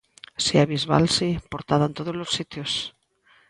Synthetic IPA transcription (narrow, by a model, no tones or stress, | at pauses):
siaβizβa̰lsipoɾt̪aðaent̪oðozlosːit̪jos